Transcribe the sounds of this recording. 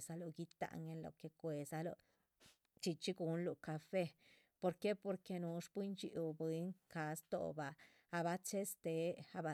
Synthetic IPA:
sa˧lo˧˨ɡi˦t̪a̰˧˨ŋɡe˦nlo̰˨ke˧kʷe˨sa˧lo̰˧ | t͡ʃi˧t͡ʃi˦ɡu˧˦nlu˨ka˧fe˦ | po˧ɾke˦po˧ɾke˧nu˧˦ʂpi˦nt͡ʃḭ˧˦wbe˧˦ŋka˨˦st̪o̰˨baː˨˧ | ba˧t͡ʃe˦st̪e˧a˧ba˧

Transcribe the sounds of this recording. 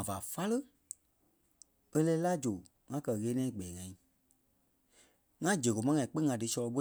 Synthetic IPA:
ã˨va˨fa˦lə˦ | e˦lɛː˧˦la˦d͡ʒo˨ | ŋã˧˦kɜ˧˨ɣeː˨˦nɛ̃ː˦i˦˨ɡ͡bɛː˨ŋã˨ĩ˨ | ŋã˦d͡ʒə˨ɣo˨mã˦ŋã˨ĩ˨k͡pĩ˦ŋã˧˦dɨ˧˦sɔ˧lɔ˧ɓo˦

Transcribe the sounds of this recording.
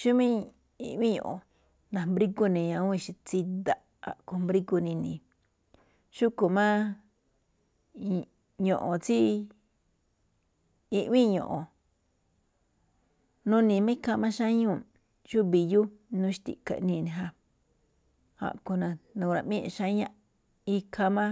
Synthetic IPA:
ʃu˦mĩ˦ | i˧ʔβĩ˦ɲõ̰˨ʔõ˨ | nã˨mbɾi˦ku˧nĩ˨ɲã˧ũ˦i˧ʃi˧t͡si˧d̪a˧ | a̰˨ʔko˧mbɾi˦ku˧nĩ˧nĩ˨ | ʃu˦ku˨mã˦ | ɲõ˨ʔõ˨t͡si˦ | i˧ʔβĩ˦ɲõ˨ʔõ˨ | nũ˦nĩ˨˧mã˦ka˧mã˦ʃã˦ɲũ˦˨ | ʃu˦βi˨ju˦nũ˧˦ʃi̥˦t̪ḭ˨ka̰˨˧nĩː˧nĩ˧˨ɦa˧ | ha̰˨ʔku˧nã˧nũ˧˨˧ɾã˧ʔmĩ˦ʔʃã˦ɲã˧ | i˧kʰa˧mã˦

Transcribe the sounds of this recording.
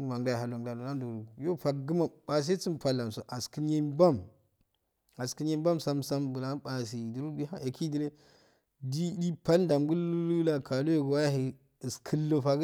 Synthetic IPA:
wa˨ŋda˦˨ɦa˨la˨ŋ˨da˨lo˨na˦ndo˨ɾu˨jo˦fa˨kɡɨ˦ma˨ba˨s̬e˦t͡si˦mpa˨lːa˨mso˨ʔa˨ski˦n˦je˦ba˦˨m | a˨skɨ˨˦nje˦m˦ba˦msa˦msa˦mbu˨la˦ɓa˨s̬i˨du˨ɾu˦ɡi˦a˦e˨ki˦di˦ɾe˦ | di˦di˦pa˦nda˨mɡu˦llu˦la˨kʰa˨lo˦je˨ɡwa˦ja˦ɦi˨ | ɨ˨skʰɨ˦lːo˨fa˨ɡ

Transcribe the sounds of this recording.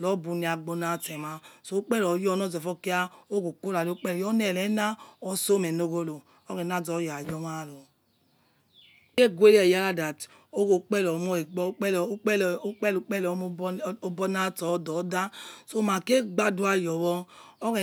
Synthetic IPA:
lɔ˨˦bu˧ni˨˦a˨ɡ͡bo˧na˦˨tɛ˨ma˨so˦o˦k͡pɛ˦lɔ˨˦jɔ˦nɔ˦zɔ˨fɔ˦ki˦a˦o˦ɡo˨ko˦la˨lo˦k͡pɛ˦ljɔ˦nɛ˦˨lɛ˨˦na˦ɔ˦so˦mɛ˨no˦ɣo˦lo˨ | ɔ˦ɣɛ˨na˦zɔ˨˦ja˨jɔ˦ma˦˨lɔ˨ | ke˦ɡwe˦lɛ˨ja˦la˦da˨t | o˦ɣo˨k͡pɛ˦lɔ˨m˦ɔ˦e˨ɡ͡bɔ˦˨˦k͡pk͡pɛ˦lk͡pɛ˦lɔ˨˦o˦bɔ˦na˦tɔ˨˦dɔ˨˦da˦so˦ma˨ke˦ɡ͡ba˦du˦a˧˨jɔ˨wɔ˧ɔ˦ɣɛ˨

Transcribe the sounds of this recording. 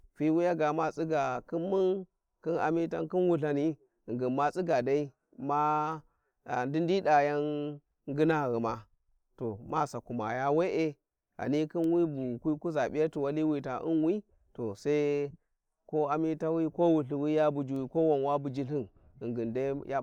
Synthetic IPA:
fi˦wi˦ja˦ɡa˨ma˨t͡sʼi˦ɡa˨kɨ˦mːu˦n | kɨ˦na̰˨mi˦ta̰˦nkɨ˦nwu˦ɬa˨ni˦˨ | ŋɡi˨nma˦t͡si˦ɡa˨da˦i˦ | ma˦˨ | ndi˦ndi˦da˨ja˦n | ɡɨ˦na˦˨ɣi˨ma˨ | to˨ma˦sa˨ku˨ma̰˨ja˦we˦ʔe˦ | a̰˨ni˦ki˦nwi˦bu˨kʷi˦ku˦za˨ɓi˦ja˦ti˨wa˦li˦wi˦ta˨ʔɨ̰˦nwi˦ | to˨sa˦i˦ | ko˦a˦mi˦ta˦wi˦ko˦wu˨ɬi˨wi˦ja˦bu˨d͡ʒu˨wi˨ko˦wa˨nwa˦bu˨d͡ʒi˦ɬi˦n | i˨ŋɡɨ˨nda˦ja˦

